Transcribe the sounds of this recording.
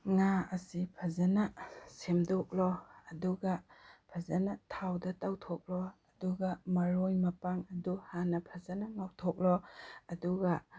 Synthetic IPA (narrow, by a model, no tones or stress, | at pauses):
ŋaɐsipʰɐzɐnɐsemdok̚lɔɐduɡɐpʰɐzɐnɐtʰawdɐtawtʰɔk̚lɔɐduɡɐmɐɾojmɐpaŋɐduhanɐpʰɐzɐnɐŋawtʰɔk̚lɔɐduɡɐ